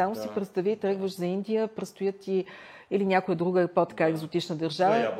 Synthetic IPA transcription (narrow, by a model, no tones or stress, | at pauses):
amʊsipɾɛt̪st̪ɐvit̪ɾɛɡvəʃzɐind̪ijəpɾɛt̪st̪ojɤtt̪ːi | ilinʲakʊjəd̪ɾuɡəpot̪ɐ̥kaɛɡzot̪it͡ʃnəd̪əɾʒavə